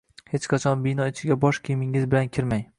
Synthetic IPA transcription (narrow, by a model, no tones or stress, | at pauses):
het͡ʃqʰɑt͡ʃʰɒnbɪnɒet͡ʃʰɪɡʲabɒʃkʲʰɪmɪŋɪzbɪlankʲʰɪɾmaj